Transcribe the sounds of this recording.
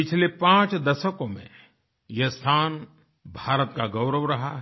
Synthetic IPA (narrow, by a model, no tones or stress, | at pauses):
pɪt͡ʃʰlepãːt͡ʃd̪ɐʃəkõmḛ̃ | jest̪ʰaːn | bʱaːɾət̪̚kaɡɐʊɾəʋɾɐɦaɦ